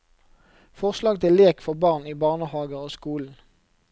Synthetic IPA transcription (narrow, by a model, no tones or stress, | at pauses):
fɔʁslɑːɡt̪ʰɪlleːkfɔʁbɑːʁniːbɑːʁnəhɑːɡəʁoːskuːln̩